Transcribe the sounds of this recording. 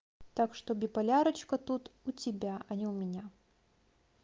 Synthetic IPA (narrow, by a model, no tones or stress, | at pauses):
t̪akʂt̪ɔbʲipɐlʲaɾɐt͡ʃkɐt̪ut̪ut͡sʲɪbʲaʔɐnʲɛwmʲɪnʲa